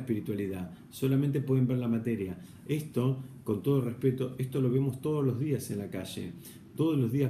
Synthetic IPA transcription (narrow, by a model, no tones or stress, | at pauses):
piɾit̪waliða | so̞lament̪epweðe̞mbeɾlamat̪eɾja | e̞st̪o̞ko̞nt̪o̞ð̞orespe̞t̪o̞ʔest̪o̞lo̞β̞emo̞st̪o̞ð̞ozlo̞zðiase̞nlakaʒḛ | t̪o̞ð̞ozlo̞zðia